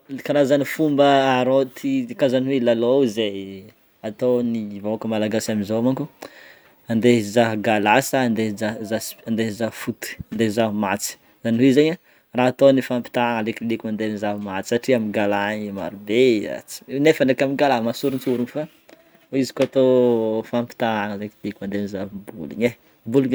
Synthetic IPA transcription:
kanazanifumbəːɾot̪ʰikazanwelaloze | at̪onivoakəmalaɡasaminzoamaŋku | and̪ezaɦɡalasaand̪eazasand̪ezaɦfut̪i̥and̪ezaɦumat͡si̥ | zaniwezaɲa | raat̪onifampi̥t̪aŋalekilikimand̪enizaɦumat͡si̥saʈ͡ʂiamiɡalaɲima̰ɾubea̰t͡si̥nefanekamiɡalamasuɾunt͡suɾunfa | izi̥kat̪ofampi̥t̪aaŋalekilikimand̪enizaɦbulḭɲe | buliɲ

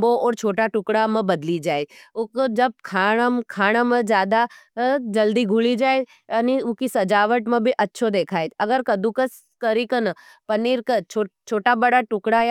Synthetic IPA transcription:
boɔːɾt͡ʃʰoːʈaʈʊkɽamə̃bɐd̪lid͡ʒaːeʊkd͡ʒɐb̚kʰaːɽmkʰaːɽ̃amə̃d͡ʒjaːd̪ad͡ʒɐld̪iɡʱʊlid͡ʒaːe | ɐniʊkisɐd͡ʒaːʋəʈmɐ̃bʱiʔɐtːʃʰod̪eːkʰaːet̪ɐɡəɾkɐd̪ũkəs | kəɾikənə | pɐniɾkət͡ʃʰot͡ʃʰoːʈabəɽaʈʊkɽa

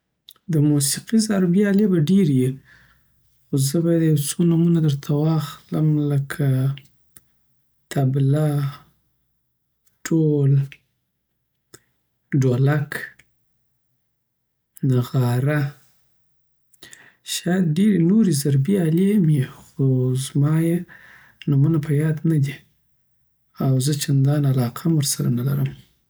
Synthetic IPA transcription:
d̪əmusiqizaɾbiɑlebaɖeɾji | xozəbɑjad̪jawt͡sonumunad̪əɾt̪ʰawɑxləmləkʰa | t̪ʰabla | ʈʰol | ɖolak | naɣɑɾa | ʃɑjad̪̚ɖeɾenoɾizaɾbiɑlemjexozmɑje | numunapʰəjɑd̪nad̪i | awzət͡ʃand̪ɑnalɑqʰamwəɾsaɾanala̰ɾəm

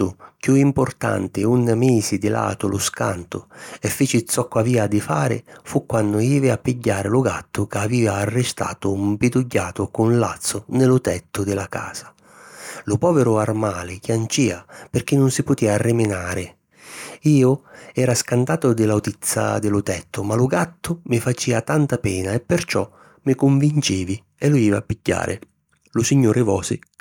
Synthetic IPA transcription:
ʊkjuimpʊrt̪a̰nt̪ɪunːameːsid̪ɪla̰ːt̪ʊlʊska̰nt̪ʊɛfːeːt͡ʃɪt̪sːɔkːwaviːad̪ɪfaːɾɪ̰fukːwanːʊiːvɪapːiɟːaːɾɪlʊɡat̪ːʊkaviːaːrːɪst̪a̰ːt̪ʊmpɪd̪ʊɟːaːt̪ʊkʊnla̰t̪sːʊnɪlʊt̪ɛt̪ːʊd̪ɪlaka̰ːsḁ | lʊpɔːvɪɾʊarmaːlɪkjant͡ʃiːapɪrk̟ɪnːʊnsɪpʊt̪iːarːɪmɪnaːɾɪ | iːʊɛːɾaskant̪aːt̪ʊd̪ɪlawt̪it̪sːa̰d̪ɪlʊt̪ɛt̪ʰːʊmalʊɡat̪ːʊmɪfat͡ʃiːat̪ant̪apɛːnaɛpːɪrt͡ʃɔ̰ | mɪkʊɱvint͡ʃiːvi | ɛlʊiːvapːiɟːa̰ːɾʔɪ̰ | lʊsiɲːuːɾɪvɔ̰ːsɪ

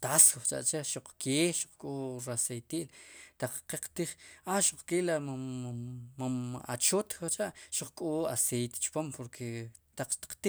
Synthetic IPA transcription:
t̪asot͡ʃʼa̰ʔt͡ʃaʃuq͡χkʰeːʃu̥q͡χkʼoːɾasejt̪iʔlt̪aq͡χqeqt̪iχaʃuq͡χkeːlam | maa̰t͡ʃot̪t͡ʃʼaʔʃuq͡χkʼoːa̰sejt̪e̥t͡ʃpompoɾkʰe | t̪aq͡χt̪i̥qt̪i

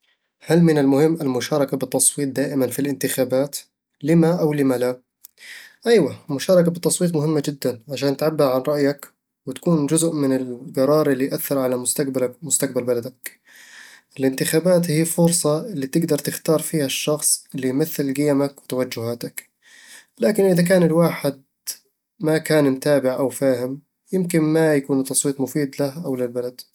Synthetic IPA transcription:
halmɪnɪlmʊhɪmːɪlmʊʃɑːɾˤɑkabɪt̪ːɑsˤwiːt̪̚ˤd̪aːʔɪmanfilʔɪnt̪ɪxaːbaːt̪ | lɪmaʔawlɪmala | ʔajwamʊʃɑːɾˤɑkabɪt̪ːɑsˤwiːt̪̬mʊhɪmːad͡ʒɪd̪ːanʕaʃaːnt̪ʕabːɪɾʕanɾˤɑʔjak | wɪt̪ḁkuːnd͡ʒʊzʔmɪnɪlɡɑɾˤɑːɾˤɪlːijʔaθːɪɾˤʕalabmʊst̪aq̚balbalad̪ak | ɪlɪnt̪ɪxaːbaːt̪hiːfʊɾsˤɑɪlːiːt̪ɪɡd̪ɑɾˤt̪ɪxt̪ɑːɾˤfiːhaʃːɑxsˤɪlːijmaθːɪlɡɪjamakwɪt̪awad͡ʒːʊhaːt̪ak | laːkɪnʔɪðak̬aːnɪlwaːħɪd̪̚ | makaːnɪmt̪aːbɪʕʔawfaːhɪm | jɪmkɪnmajakuːnt̪ːɑsˤwiːt̪ˤmʊfiːd̪lahʔawlɪlbalad̪

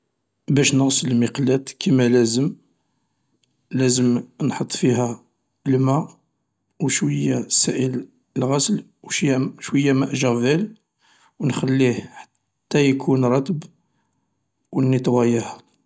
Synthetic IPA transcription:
bæʃnəɣsələlmiqlæt̪kʰimælæzəm | læzəmnħət̪ˤːfihæ | lmæ | wʃwəjːasæʔəl | lɣæsəl | wʃjːæʃwəjːæmæʔʒæɾvæl | wnxælːihħḁt̪ːæjkʰunɾˤɑt̪əb | wənːət̪wæjæh

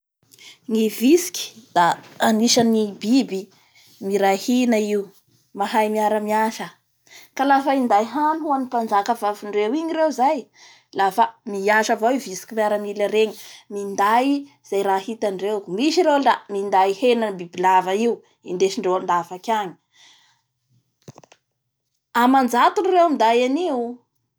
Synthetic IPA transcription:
ŋivisi̥ki̥d̪aːniʃənibibi | miɾahinaiu | maɦajmiaɾəmiaʃə | kalafəind̪ajɦanuɦuanipand͡ʒakəvaviɳɖ͡ʐewiɲiɾewzaj | lafamiaʃavoiuvisi̥kʲimiaɾəmilaɾeɲmind̪aj | z̥ajɾaːhit̪anɖ͡ʐemiʃiɾewɳɖ͡ʐamind̪aihenanbibilavəiu | ind̪eʃiɳɖ͡ʐewand̪avakʲaɲi̥ | amand͡zat̪unrewamid̪ajaniu

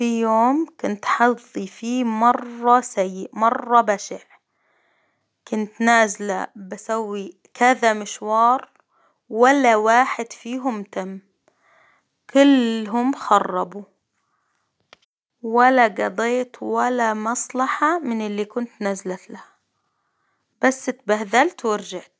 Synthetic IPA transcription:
fijoːmkʊnt̪ħɑðˤːifiːmɑrˤːɑsajːɪʔmɑrˤːɑbaʃɪʕ | kʊnt̪naːzɪla̰bɪsawːi | kaðamɪʃwɑːɾˤ | walːawaːħɪd̪fiːɦʊmt̪amː | kʊlɦʊmxɑrˤːɑbu | walaɡɑd̪ˤeːt̪walamɑsˤlɑħɑmɪnɪlːikʊnt̪nazlat̪laha | b̥asːɪt̪bahðalt̪wɪɾʒaʕt̪

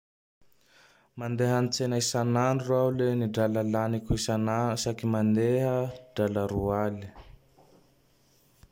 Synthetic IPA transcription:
mand̪eɦanit͡senaisananuruauleniɖ͡ʐalalanikʲuisanasakimand̪eɦəɖ͡ʐaləɾuali̥

